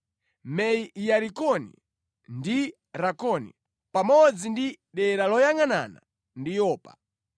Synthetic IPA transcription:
mɛiʔjaɾikɔnḭ | ndi | ɾakɔnḭ | pamɔd͡zindi | ɗɛɾalɔjaŋana̰na̰ | ndijɔːpḁ̰

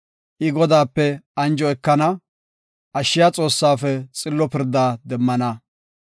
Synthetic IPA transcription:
ʔɪɡɔd̪aːpːɛɐnd͡ʒɔɛkːɐnɐ | ʔɐʃːɪjat͡sʼo̞ːsːaːfɛt͡sʼɪlːɔpɪɾd̪ːaːd̪ɛmːɐnɐ

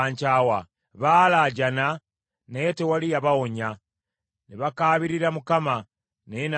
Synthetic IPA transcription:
aːɲcaːwa | βaːlaɟana | netewalijaβawoɲa | neβakaːβiɾiɾamukama | neena

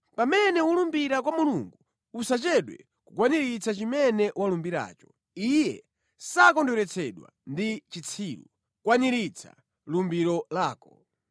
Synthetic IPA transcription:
pamɛnɛulumbiɾak̬wamuluŋɡu | usat͡ʃɛɗwɛ̰ | kukwaniɾit͡sat͡ʃimɛnɛʔwalumbiɾa̰ːt͡ʃɔ̥ | ijɛ | sakɔndɔɾɛt͡sʰɛɗwa̰ndit͡ʃit͡sʰiːlṵ | kwaniɾit͡sʰa̰ | lumbiɾɔlaːkɔ

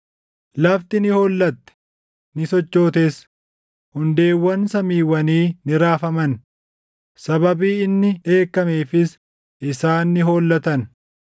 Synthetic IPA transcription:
lɐft̪ɪnɪho̞ːlːɐt̪ːɛ̥ | nɪsɔt͡ʃːo̞ːt̪es | hʊnd̪e̞ːwːɐnsɐmiːwːɐniːnɪɾaːfɐmɐn | sɐbɐbiːɪnːɪᶑe̞ːkːɐmeːfɪs | ɪsaːnːɪɦo̞ːlːɐt̪ɐn

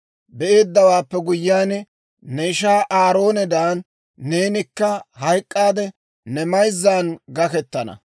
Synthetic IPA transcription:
bɛʔe̞ːd̪ːɐwaːpːɛɡʊjːaːn | nɛɪʃaːʔaːɾo̞ːnɛd̪aːnː | e̞ːnɪkːɐhɐjkʼːaːd̪ɛ | nɛmɐjzːaːnɡɐkɛt̪ːɐnɐ̰

